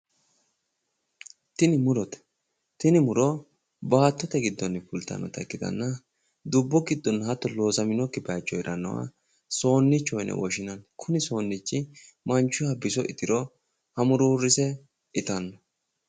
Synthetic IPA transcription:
t̪ɪnɪmʊɾɔt̪ɛ̥ | t̪ɪnɪmʊɾɔ | baːt̪ːɔt̪ɛɡɪd̪ːɔnːfʊlt̪ɐ̰nːɔ̰t̪ɐ̰kːɪd̪ɐ̰nːɐ | d̪ʊbːɔɡɪd̪ːɔnːhɐt̪ːɔlo̞ːsɐmɪnɔkːɪbɛat͡ʃːɔjɪɾɐnːɐ̰wa̰ | so̞ːnːɪt͡ʃːɔjnʔɛ̰wɔʃɪnɐnkʰʊnɪso̞ːnːɪt͡ʃːɪ | mɐnt͡ʃːʊjɐbɪsɔʔɪt̪ɪɾɔ | hɐmʊɾuːrːɪsɛ | ɪt̪ɐnːɔ

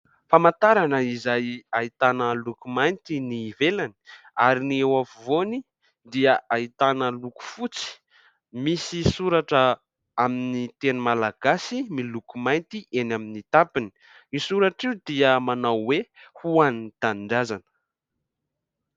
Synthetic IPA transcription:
famant̪aɾanəizajait̪anəlukumajnt̪iniːvelani̥ | aɾiniewavuvoni | d̪iəait̪anəluku̥fut͡si̥ | misisuɾaʈ͡ʂə | aminit̪enumalaɡ̥asimilukumajnt̪iʔenaminit̪apini̥ | isuɾaʈ͡ʂiud̪iəmanawwehuaninit̪aɳɖ͡ʐazanə̥

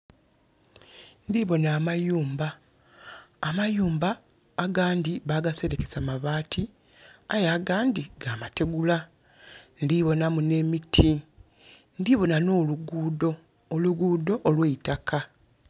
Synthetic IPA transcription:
ndiβo̞naːmajuːmba | majuːmbaː | ɡaːndiβaɡase̞ɾe̞kesamaβaːtʰi | ajaːɡaːndiɡaːmate̞ɡula | ndiβo̞namune̞mitʰi | ndiβo̞nano̞ːluɡudoː | luɡuːdo̞ʔːlweitakʰa

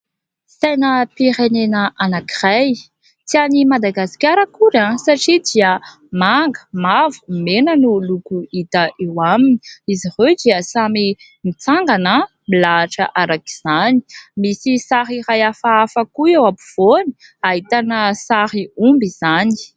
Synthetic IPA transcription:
sajnəpiɾenenəʔanaki̥raj | t͡sianimad̪aɡasi̥kʲaɾəkuɾãsaʈ͡ʂid̪iə | maŋɡəmavu̥menənulukuit̪əʔewaminiizired̪iəsami | mit͡saŋɡanə | milaːʈ͡ʂəʔaɾaki̥z̥ani̥misisaɾiɾajafaafakuewapuv̥oni̥aɦit̪anəsaɾiumbiz̥ani̥

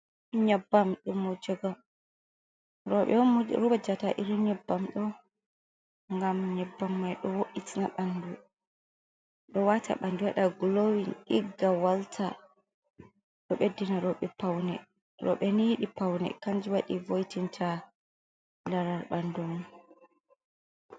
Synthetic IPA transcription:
ɲabːamɗumɔd͡ʒɔɡa | ɾɔɛɾubad͡ʒataʔiɾiɲɛbːamɗɔ | ŋɡamɲɛbːamːajɗɔwoʔitinaɓandu | ɗɔwatʰa̰ɓanduwaɗaɡlowinɗiɡːawaltʰa | ɗɔɓedːinaɾɔɓɛpawnɛ | ɾɔ̰ɓɛnijiɗipawnɛ̰kaɲd͡ʒiwaɗivojtintʰa | laɾaɾɓandumu

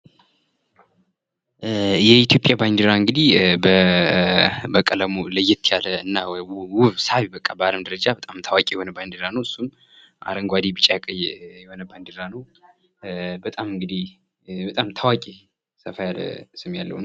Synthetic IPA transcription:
jɛit̪ʰjo̞pʼjabajnd̪iɾaɨŋɡɨd̪ihbə | bəkʼələmuləjɛt̪ʰːjaləɨnːawuβsaβibəkʼːabaləmd̪əɾəd͡ʒabət̪ʼamt̪ʰawakʼijɛho̞nəbajnd̪iɾanəwɨsːum | ʔa̰ɾəŋɡʷad̪ibɨt͡ʃʼːjakʼəjjɛho̞nəbajnd̪iɾanəw | bət̪ʼamɨŋɡɨd̪ih | bət̪ʼamt̪ʰawakʼi | səfajalə̰sɨmjalːə̰hun

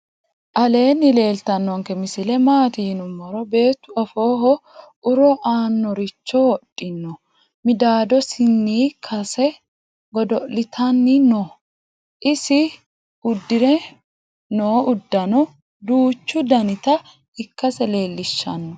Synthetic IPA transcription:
ʔɐle̞ːnːɪle̞ːlt̪ɐnːɔŋkɛmɪsɪlɛmaːt̪ɪjɪnʊmːɔɾɔbe̞ːt̪ːʊɐfo̞ːɦɔ | ʊɾɔʔaːnːɔɾɪt͡ʃːɔwɔᶑʼːɪnːɔ | mɪd̪aːd̪ɔsɪnːiːkʰɐsɛ | ɡɔd̪ɔlɪt̪ʰɐnːɪnɔ | ʔɪsɪ | ʊd̪ːɪɾɛ | noːʔʊd̪ːɐnɔ | d̪uːt͡ʃːʊd̪ɐnɪt̪ɐ | ɪkːɐsɛle̞ːlːɪʃːɐ̰nːɔ

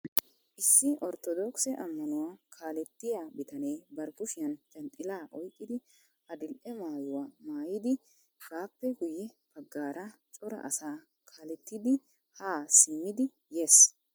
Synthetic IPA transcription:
ʔɪsːɪʔɔɾt̪ɔd̪ɔːksɛʔɐmːɐnʊwaːkʰaːlɛt̪ːɪjabɪt̪ɐnejbɐɾkʊʃɪjɐnt͡ʃʼɐnt̪ʼːɪlaːʔɔjkʼːɪd̪ɪ | hɐd̪ɪlʔɛmaːjʊwaːmaːjɪd̪ɪ | ɡaːpːɛɡʊjɛ | b̥ɐɡːaːɾɐt͡ʃʼɔɾɐ̰ʔɐsaː | kʰaːlɛt̪ːɪd̪ɪ | haːsɪmːɪd̪ɪ | jeːs

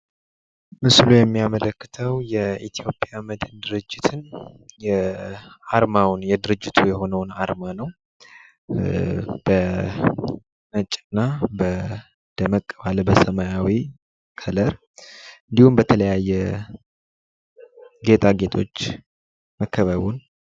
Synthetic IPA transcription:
mɨslujɛmːijamələkːɨ̥t̪ʰəwjɛʔit̪ʰijo̞pʼjaməd̪ɨnd̪ɨɾɨd͡ʒːɪt̪ʰɨnjɛ | aɾmawnjɛd̪ɨɾɨd͡ʒːɪt̪ʰujɛho̞nəwna̰ɾmanəw | b̥ə | nət͡ʃʼːɨnːabə | d̪̥əməkʼːəβalbəsəmajawi | kʰələɾ | ɨnd̪ihumbət̪ʰələjajːɛ | ɡe̞t̪ʰʼaɡe̞t̪ʰo̞̰t͡ʃː | məkːəβəβun

